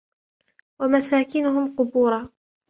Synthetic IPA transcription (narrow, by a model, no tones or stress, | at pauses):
wamasaːkɪnʊɦʊmqʊbuːɾˤɑː